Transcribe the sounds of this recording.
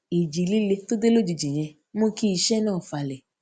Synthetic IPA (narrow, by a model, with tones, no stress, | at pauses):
i˨d͡ʒi˨li˦le˧to˦de˦lo˦d͡ʒi˨d͡ʒi˨j̃ɛ̃˧ | mõ˦ki˧˦i˧ʃɛ˦nãː˦˨fa˧˨lɛ˨